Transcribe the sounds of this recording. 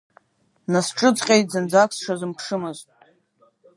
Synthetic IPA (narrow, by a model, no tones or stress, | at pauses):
nasʈ͡ʂʼɨt͡sʼqʲʼejtʼzɨnd͡zakʰsʂazɨmpʰʂɨmaztʼ